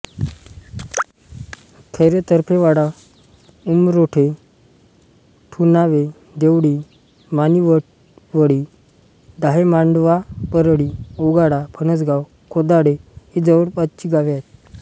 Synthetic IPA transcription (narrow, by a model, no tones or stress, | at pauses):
kʰəɾet̪əɾpʰeʋaɽa | umɾoʈʰe | ʈʰunaʋe | d̪eʋɽi | maniʋə | ʋəɽi | d̪aɦemaɳɖʋapəɾɽioɡaɽapʰənəsɡaw | kʰod̪aɽeid͡zəʋəɽpat͡ɕiɡaʋjat̪